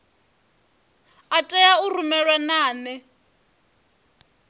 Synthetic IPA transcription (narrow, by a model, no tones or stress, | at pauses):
atʼɛjaurumɛɺwanaːnɛ